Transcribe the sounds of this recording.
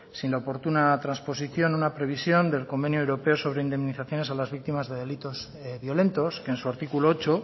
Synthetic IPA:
sinlaopo̞ɾt̪unat̪ɾanspo̞siθjo̞nunapɾe̞β̞isjo̞nd̪e̞lko̞mbe̞njuewɾo̞pe̞o̞so̞β̞ɾeind̪e̞mniθaθjo̞ne̞salazβik̚t̪imazðe̞ðe̞lit̪o̞z | βjo̞le̞nt̪o̞ske̞ːnsuaɾt̪ikuloot͡ʃo

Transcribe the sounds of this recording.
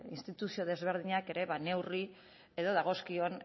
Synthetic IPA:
ḭnst̪it̪usio̞ð̞e̞zβe̞ɾð̞iɲake̞ɾe̞βane̞wri | e̞ðo̞ðaɣ̞o̞skio̞n

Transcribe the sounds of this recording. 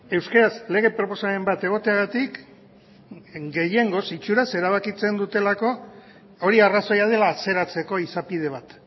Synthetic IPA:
e̞wskeɾasle̞ɣ̞e̞pɾo̞po̞same̞mbat̪e̞ɣ̞o̞t̪e̞aɣat̪ik | ɡe̞je̞ŋɡo̞sit͡ʃuɾase̞ɾaβ̞akit͡se̞nd̪ut̪e̞lako̞ | oɾiaraso̞jað̞e̞laːt͡se̞ɾat͡se̞ko̞isapið̞e̞β̞at̪

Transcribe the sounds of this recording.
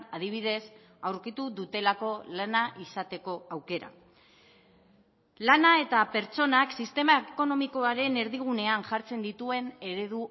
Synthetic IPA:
aðiβ̞ið̞e̞s | awɾkit̪uðut̪e̞lako̞lanaʔisat̪e̞ko̞awke̞ɾa̰ | lanae̞t̪ape̞ɾt͡so̞naksist̪e̞maeko̞no̞miko̞aɾe̞ne̞ɾðiɣ̞une̞anʝaɾt͡se̞nd̪it̪ue̞ne̞ɾe̞ð̞u

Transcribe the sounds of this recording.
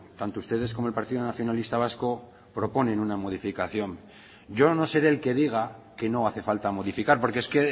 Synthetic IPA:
t̪ant̪oust̪e̞ð̞e̞skomoelpaɾt̪iðonaθjo̞nalist̪aβ̞asko̞ | pɾo̞po̞nẽ̞nunamo̞ð̞ifikaθjo̞m | ɟ͡ʝo̞no̞se̞ɾe̞ːlke̞ð̞iɣ̞ake̞no̞aθe̞falt̪amo̞ðifikaɾpo̞ɾkeeske̞

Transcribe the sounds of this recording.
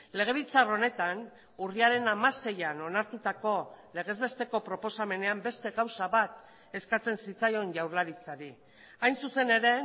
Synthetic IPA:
le̞ɣ̞e̞β̞it͡saro̞ne̞t̪an | uriaɾe̞namase̞jano̞naɾt̪ut̪ako̞le̞ɣ̞e̞zβe̞st̪e̞ko̞pɾo̞po̞same̞ne̞ambe̞st̪e̞ɣawsaβat̪ | e̞skat͡se̞nsit͡sajo̞nʝawɾlaɾit͡saɾi | ajnsuse̞ne̞ɾe̞

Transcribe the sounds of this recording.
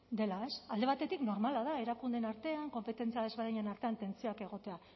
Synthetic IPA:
d̪e̞lae̞sald̪e̞β̞at̪e̞t̪ikno̞ɾmalaðae̞ɾakund̪e̞naɾt̪e̞aŋko̞mpe̞t̪e̞nt͡siaðeβe̞ɾðiɲenaɾt̪e̞ant̪e̞nt͡sioake̞ɣ̞o̞t̪e̞a

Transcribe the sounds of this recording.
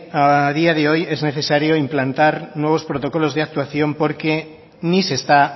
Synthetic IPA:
að̞iaðeojɛzneθesaɾjoimplant̪aɾnwoβ̞ospɾot̪okolozð̞eak̚t̪waθjompoɾke | nisest̪a

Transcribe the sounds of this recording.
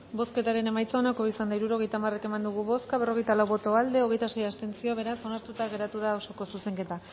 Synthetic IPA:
bo̞ske̞t̪aɾe̞ne̞majt͡saonako̞isand̪aiɾuɾo̞ɣjt̪amare̞ke̞mand̪uɣ̞uβo̞skaβero̞ɣ̞e̞jt̪alawβo̞t̪o̞ald̪e̞o̞ɣjt̪ase̞jast̪e̞nt͡sio̞βe̞ɾaso̞naɾt̪ut̪aɣe̞ɾat̪uðaoso̞ko̞suse̞ŋke̞t̪a

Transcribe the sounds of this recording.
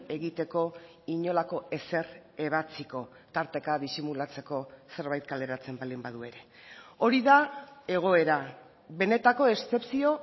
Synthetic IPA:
e̞ɣit̪e̞ko̞ | iɲo̞lako̞e̞se̞re̞β̞at͡siko̞ | t̪aɾt̪e̞kaðisimulat͡se̞ko̞se̞ɾβajt̪̚kale̞ɾat͡se̞mbald̪imbaðue̞ɾe̞ | o̞ɾiðae̞ɣ̞o̞e̞ɾa | βe̞ne̞t̪ako̞e̞st͡s̪e̞psio̞

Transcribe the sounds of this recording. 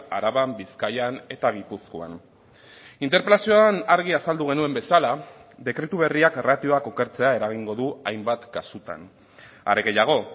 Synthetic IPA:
aɾaβambiskajane̞t̪aɣ̞ipuskoa̰n | int̪̬eɾpe̞lasioanaɾɣ̞iasald̪uɣ̞e̞nue̞mbe̞salaðe̞kɾe̞t̪uβ̞e̞riakerat̪io̞ako̞ke̞ɾt͡se̞ae̞ɾaɣiŋɡo̞ðuajmbat̪kasut̪a̰n | a̰ɾe̞ɣe̞jaɣ̞o̞

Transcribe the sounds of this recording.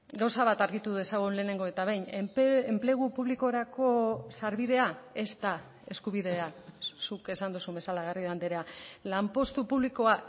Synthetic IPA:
ɡawsaβ̞at̪aɾɣit̪uðuðe̞saɣ̞ule̞ːne̞ŋɡo̞e̞t̪aβejɲnempemple̞ɣ̞upuβliko̞ɾako̞saɾβiðe̞ae̞st̪a | e̞skuβ̞iðe̞asuke̞sand̪usumbe̞salaɣ̞arioand̪eɾealampo̞st̪upuβliko̞a

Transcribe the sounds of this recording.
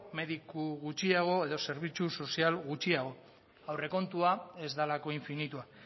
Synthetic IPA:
me̞ðikuɣut͡ʃiaɣ̞o̞e̞ðo̞se̞ɾβ̞it͡ʃuso̞sialɣut͡ʃiaɣ̞o̞ | awre̞ko̞nt̪uae̞zd̪alako̞iɱfinit̪ua

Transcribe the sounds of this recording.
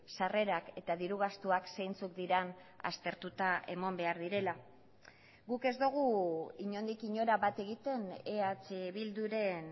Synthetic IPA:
sare̞ɾake̞t̪aðiɾuɣ̞ast̪uakse̞jnt͡suk̚d̪iɾana̰st̪e̞ɾt̪ut̪ae̞̰mo̞mbe̞aɾðiɾe̞la | ɣuke̞zd̪uɣ̞uiɲo̞nd̪ikiɲo̞ɾaβat̪e̞ɣit̪e̞neat͡seβild̪uɾe̞n

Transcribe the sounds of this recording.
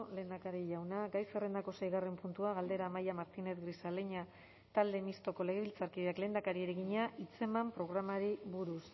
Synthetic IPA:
le̞ːnd̪akaɾiʎawnaɡajsere̞nd̪ako̞se̞jɣare̞mpunt̪uaɣald̪e̞ɾaːmajamaɾt̪ine̞θɡɾisaleɲa | t̪ald̪e̞mist̪o̞ko̞le̞ɣeilt͡saɾkiðeakle̞ːnd̪akaɾieɾe̞ɣiɲaʔit͡se̞mampɾo̞ɣ̞ɾamaɾiβuɾus

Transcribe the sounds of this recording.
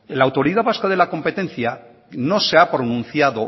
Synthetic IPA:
elawt̪o̞ɾiðaβaskaðe̞lako̞mpe̞t̪e̞n̟θja | no̞seapɾonũn̟θjaðo̞

